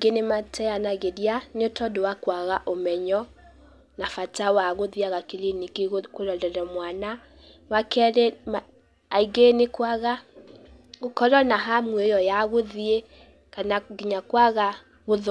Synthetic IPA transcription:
ɡenematʰɛjanaɣedjaneotɔdowakwaɣaʔomɛɲɔ | nafatawaɣoðiaɣakilinikikoɾɔdɛɾɔmwana | wakɛɾɛm | aiɡenekwaɣa | ɣokɔɾɔnaɦamwejɔjaɣoðie | kanaɡiɲakwaɣa | ɣoð

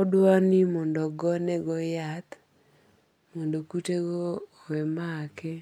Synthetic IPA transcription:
ɔdwanimɔndɔɡɔnɛɡɔjat̪ | mɔndokuteɡɔ | wɛmakɛ

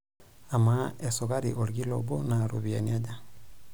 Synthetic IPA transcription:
amaesoɣaɾiʔoɾiloβonaɾoβianiaɟa

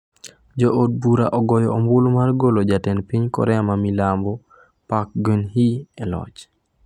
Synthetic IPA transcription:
d͡ʒɔod̚buɾa̰ʔɔɡɔjɔːmbʊlmarɡolod͡ʒatɛnpiɲkɔ̰ɾɛamamilambɔ | pak̚ɡənɦiɛlɔ̰t͡ʃ

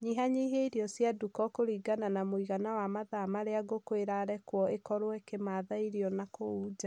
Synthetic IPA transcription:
ɲiɦaɲiɦeiɾiɔsjadukɔkoɾiːɡananamoiɣanawamaðamaɾeaɡokweɾaɾɛkwɔekɔɾowɛkemaðaiɾiɔnakouːd͡ʒa

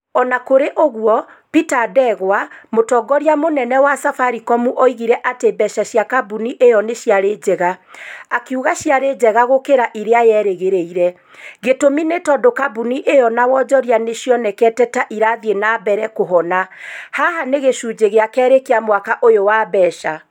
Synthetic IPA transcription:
ɔnakoɾeʔoɣwɔ | pitadɛɣwamotɔɡɔɾjamonɛnɛwasafaɾikɔmuʔoiɣiɾɛʔatebɛʃaɕjakabuniʔejɔneɕjaɾed͡ʑɛɣaakeuɣaɕjaɾed͡ʑɛɣaɣokeɾaʔiɾeajɛːɾeɣeɾeiɾɛ | ɣetominetɔdokabuniʔejɔnawɔd͡ʒɔɾianeʃjɔnɛkɛtɛtaʔiɾaðienabɛɾɛkoɦɔnahahaneɣeʃud͡ʒeɣeakɛːɾekeamwakaʔojowabɛːʃa

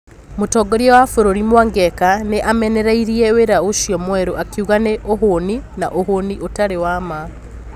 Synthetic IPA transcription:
motɔɡɔɾiɔwafoɾoɾimwaŋɡɛkaneʔamɛnɛɾaiɾiɛweɾaoʃjɔmwɛɾoʔakiuɣaneʔoɦonina̰ʔoɦoniʔotaɾewama

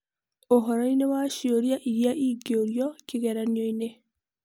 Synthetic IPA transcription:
oɦoɾɔinewaʃioɾjaʔiɾjaʔiɡioɾjɔkiɣeɾanjoine

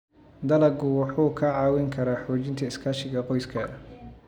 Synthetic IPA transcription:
d̪ɐlɐɡʊwɑħuːkʰɐʕɑːwɪŋkʰɐɾaːħɔːt͡ʃɪnt̪ʰɐɪskʰaːʃɪɣɐqɔjskʰɐ

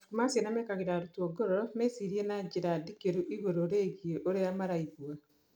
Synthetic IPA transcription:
kumasjenamekaɣeɾaɾutuoɡoɾɔɾɔmesiɾienad͡ʒiɾadikeɾuʔiɣoɾoɾeːɣieʔoɾejamaɾaiɣwa

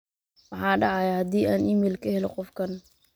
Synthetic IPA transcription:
wɑħɑːɖɑʕɑjahɐd̪iːʔaːnɪmilkʰɐhɛlɔqɔfkʰɐn

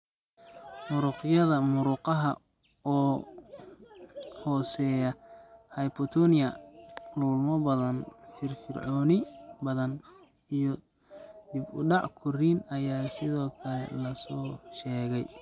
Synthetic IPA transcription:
mʊɾʊːqjɐðɐmʊɾʊqɑɦɐ̰ | ɔː | hɔːsɛːjɐhɐjpʰɔt̪ʰɔnɪjɐluːlmɔbɐðɐnfɪrfɪ̰rʕɔːnɪbɐðɐn | ijɔ | d̪ɪbʊɖɑʕkʰʊriːnɐjaːsɪðɔːkʰɐlɛ̰lɐsɔːʃɛːɣɛj

